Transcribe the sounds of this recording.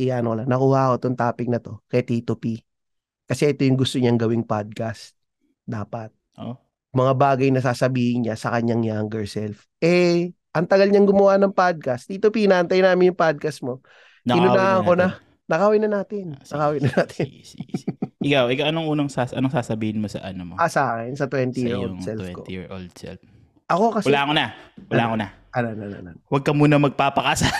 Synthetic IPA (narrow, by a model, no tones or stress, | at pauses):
ɪaʔɐnokɐlanɐkuːhɐʔɐko̞t̪oŋt̪aːpɪɡ̚nɐt̪o̞kɛt̪it̪ʊpi | kɐsɛʔɛt̪o̞jʊŋɡʊst̪oɲaŋɡɐwɪŋpad̪̚kast̪̚ | d̪aːpɐt̪̚ʔo | mɐŋabaːɡɐjnɐsaːsɐbiːhɪɲɲasɐkɐɲaŋjaŋɡɐɹsɛlf | ʔɛ | ʔɐŋt̪ɐɡalɲɐŋɡʊmɐwanɐŋpad̪̚kɐst̪ːit̪ʊpinɐʔɐnt̪ajnaːmɪnjʊŋpad̪̚kɐst̪̚mo̞ | nɪnonɐkonɐ | nɐkaːwajnɐnaːt̪ɪnɐkaːwɪjnɐnaːt̪ʰɪ | ɪkawʔɪkawʔɐnoŋʔuːnɐŋsasɐnoŋsaːsɐbiːhɪnmosɐ̰ʔɐnɐmoʔasɐʔaːkɛnsɐt̪wɛnt̪ijɪɹʔoldŋsɛlwfɛkot̪j̰ɹʔo̰ld̪sɛ̰lf | ʔɐko̞kɐswɐlakonawɐaːkona | ʔɐnonɐnɐ̰ʔno̰wɐɡ̚kɐmuːnɐmɐɡ̚paːpɐkasa